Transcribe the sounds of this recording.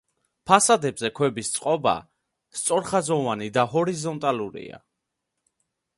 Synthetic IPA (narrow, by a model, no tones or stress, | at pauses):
pʰasad̪ɛbzɛkʰwɛbist̪sʼqʼɔba̰ | st̪sʼɔɾχazɔvanid̪aɦɔɾizɔnt̪ʼaluɾḭa̰